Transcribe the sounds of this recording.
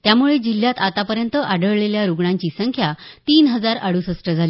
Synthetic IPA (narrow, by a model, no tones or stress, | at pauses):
t̪jamuɭed͡ʑil̤ːjat̪at̪apəɾjənt̪əʔaɖəɭɭeljaɾuɡɳaɲt͡ɕiːsəŋkʰjat̪iːnɦəd͡zaɾaɽusəsʈəd͡zʱali